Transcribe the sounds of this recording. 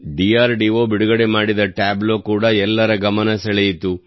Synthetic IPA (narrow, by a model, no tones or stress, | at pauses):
ɖijaːɾɖiːʋo̞ːbiɽuɡɐɽe̞maːɽid̪ɐʈaːbloːkuːɽɐɛlːɐɾɐɡɐmɐnɐsɐɭejit̪u